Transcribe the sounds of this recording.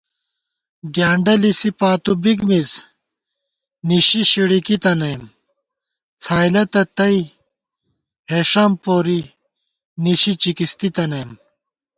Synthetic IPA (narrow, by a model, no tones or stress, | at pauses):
ɖjaːɳɖɐlisipaːt̪ubiɡmis | niɕiɕiɽikit̪ɐnɐjm | t͡sʰaːjlɐt̪ɐt̪ɐi | heːʂɐmpoːɾi | niɕit͡ɕikist̪it̪ɐnɐjm